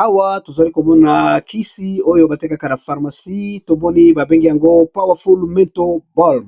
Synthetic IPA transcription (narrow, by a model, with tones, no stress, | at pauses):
a˦wa˦to˨za˨li˦ko˨mɔ˦na˨kʰi˦si˦o˦jo˦ba˨te˦ka˦ka˨na˨fa˨ʁma˨si˦to˨mɔ˦ni˦ba˨be˦ŋɡi˦ja˨ŋɡo˦pa˦wa˨fu˦lmɛ̃˦to˦bɔ˦l